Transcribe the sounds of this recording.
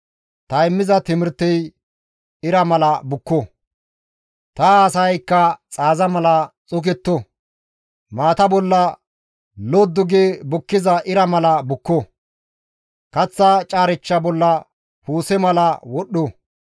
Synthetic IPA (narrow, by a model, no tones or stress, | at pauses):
t̪ɐɪmːɪzɐt̪ɪmɪɾt̪ːɛj | ɪɾɐmɐlɐbʊkːɔ | t̪ɐːsɐjkːɐt͡sʼaːzɐmɐlɐt͡sʼʊk̬ɛt̪ːo | maːt̪ɐbɔlːɐ | lɔd̪ːʊɡeːbʊkːɪzɐʔɪɾɐmɐlɐbʊkːɔ | kɐt͡sːɐt͡ʃʼaːɾɛt͡ʃːɐbɔlːɐ | puːsɛmɐlɐwɔɗːo